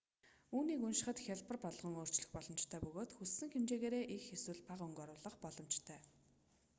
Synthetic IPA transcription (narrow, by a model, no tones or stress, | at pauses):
uːniːkɵnʃɪ̆χə̆t̪xʲaɮpə̆rpɔɮʁɞ̆ŋoːr̥t͡ɕɮɵ̆xpɔɮɞ̆mt͡ɕt̪ʰæːpɵɣoːt̪xusːɘ̆ŋxemt͡ɕeːɣeːɾeːʔixːeswɘ̆ɮpaʁɵŋɡɔɾʊːɮə̆χpɔɮɞ̆m̥t͡ɕt̪ʰœː